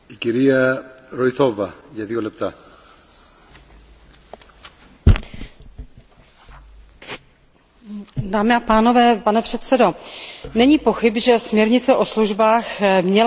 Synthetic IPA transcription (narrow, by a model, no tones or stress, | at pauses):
iciɾiɐɾojθo̞vɐʝɐðiolɛp̚t̪a | daːmɪapaːno̞vɛːpanɛpr̝̥ɛt̪sɛdo̞nɛɲiːpo̞xɪbʒɛsmɲɛɾɲɪt͡sɛʔo̞sluʒbaːxmɲɛl